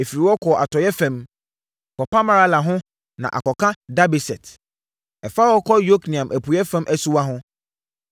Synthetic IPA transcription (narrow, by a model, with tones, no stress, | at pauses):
e˨fi˨ɾi˨wɔ˦kʰɔ˨ʔa˨tʰɔ˨jɛ˦fɛ̃˨m˨ | kʰɔ˨pa˦mã˦ɾa˦la˨ɦʊ̃˦ | nã̰˨ʔa̰˨kɔ˨kʰã˦da˦bi˨sɛ˨t | ɛ˨fa˦wɔ˦kʰɔ˦jo˦knĩ˨ã˨mʔæ˨pʰu˨jɛ˦fɛ̃˦mʔæ˦su˦wa˦ɦʊ̃˦